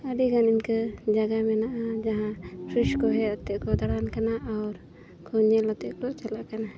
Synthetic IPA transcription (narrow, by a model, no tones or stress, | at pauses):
əɖiɡaniɲkəd͡ʒaɡamɛnaʔad͡ʒaɦãkʰɾiʃkɔɦɛat̪ɛʔkɔd̪aɽankanaʔawɾ | kʰɔɲɛlɔt̪ɛʔkɔt͡ʃalaʔkana